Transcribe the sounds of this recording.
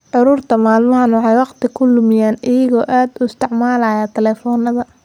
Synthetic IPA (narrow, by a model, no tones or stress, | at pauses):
ʕʊɾʊːrt̪ʰɐmaːlmɐɦɐnwɑħɑjwɑqt̪ʰɪkʰʊlʊmɪjaːnɪjɐɣɔːʔaːd̪ʊɪst̪ʰɪʕmaːlajaːt̪ʰɛlɛːfɔːnɐðɐ